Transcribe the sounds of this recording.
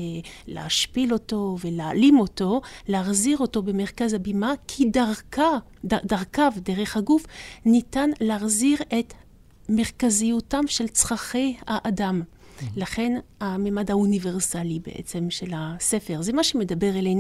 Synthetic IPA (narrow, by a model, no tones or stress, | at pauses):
lḛaʃpilo̞to̞velealimo̞to̞leaʁziʁo̞to̞bemeʁkazabimakʰidaʁka | adaʁkavdeʁeχhaɡufnitanleaχziʁet̪ | me̞ʁkazijutamʃelt͡sʁaχejhaʔadam | laχe̞nhamemadaunive̞ʁsalibḛʔḛt͡se̞mʃe̞lasefeʁzemaʃemed̪abeʁelejn